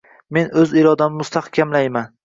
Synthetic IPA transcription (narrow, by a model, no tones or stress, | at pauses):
me̞nɵziɾɒd̪anmʊst̪ʰahkʲʰamlajman